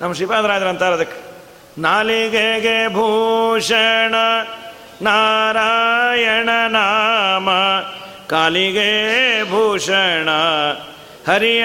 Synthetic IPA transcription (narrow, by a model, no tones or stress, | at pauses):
nɐmɐʃipaːd̪ɐɾaːjd̪ɐɾɐnt̪aːɾɐd̪ɐkː | naːliɡeɡebʱuːʂɐɳɐ | naːɾajɐɳɐnaːmɐ | kaːliɡebʱuːʂɐɳɐ | hɐɾi